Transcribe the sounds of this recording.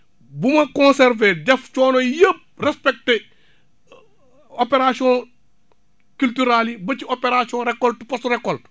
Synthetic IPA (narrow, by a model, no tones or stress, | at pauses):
bumɐkɔ̃sɛɾvedɛft͡ʃɔːnɔjəp̚rɛspɛk̚te | opeɾasiɔ̃ | kyltyɾalibɐciopeɾasiɔ̃ɾɛkːɔltpɔstɾɛkːɔlt